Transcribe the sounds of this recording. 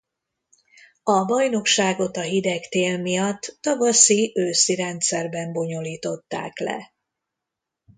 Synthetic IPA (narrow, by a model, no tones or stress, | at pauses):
ɒbɒjno̞kʃaːɡo̞t̪ɒɦid̪ɛkt̪eːlmijɒt̪ːɒɡɒsiʔøːsiɾɛnt̪sɛrbɛmbo̞ɲo̞liːt̪o̞t̪ːa̰ːklɛ̰